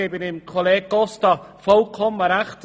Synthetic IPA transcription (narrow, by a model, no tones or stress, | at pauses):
ebɪnɪmkʰɔlˠeɡɔstɔfowkʰɔmaɾaχtʰ